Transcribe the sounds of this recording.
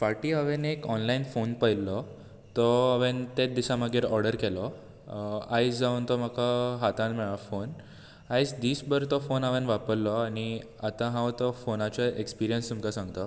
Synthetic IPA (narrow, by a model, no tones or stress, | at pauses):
faʈiəʋenekɔnlainfonpəjlɔ | t̪ɔːʋent̪et̪̚d̪iɕãməɡʱeɾɔɾɖəɾkɛlɔ | ajt͡sd͡zaunt̪ɔm̤akaɦat̪ãnmɛɭafon | ajt͡sd̪iːsbəɾt̪ɔfonaʋenʋapəɾlɔaɽ̃i | at̪ãɦãwt̪ɔfonat͡ɕaʔekspiɾijənst̪umkasãŋɡt̪ɔ